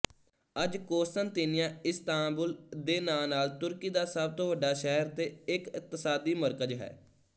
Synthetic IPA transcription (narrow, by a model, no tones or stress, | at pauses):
əd͡ʒkoːsənt̪iːnɪjãːɪst̪ãːbʊld̪eːnãːnaːlt̪ʊɾkiːd̪aːsəb̚t̪oːʋəɖaːʃɛɦəɾt̪eːɪkɪk̚t̪əsaːd̪iːməɾkəd͡ʒɦɛ̰ː